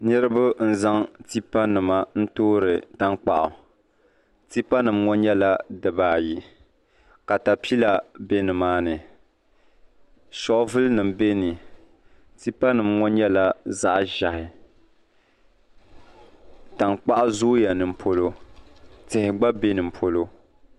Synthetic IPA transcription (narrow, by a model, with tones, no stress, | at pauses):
nɨ˦ɾɨ˦bʊ˦n̩˦za˦ŋti˦pa˦nɨ˨ma˨n̩˦toː˦ɾɨ˨ta˦ŋk͡pa˨ʔʊ˨ | ti˦pa˦nɨ˨mŋɔ˦nɲɛ˦la˦dɨ˨baː˦˨ji˦ | ka˨ta˨pi˦la˨be˦nɨ˨maː˦nɨ˨ | sɔ˨ʔʊ˦vɨ˦lnɨ˨mbe˦nɨ˨ | ti˦pa˦nɨ˨mŋɔ˦nɲɛ˦la˦za˦ʔʒa˨hɪ˨ | ta˨ŋk͡pa˦ʔʊ˦zoː˦ja˨nɨ˨m̩˨pʰo˦lo˦ | tɪ˨hɪ˨ɡ͡ba˦be˦nɨ˨m̩˨pʰo˨lo˦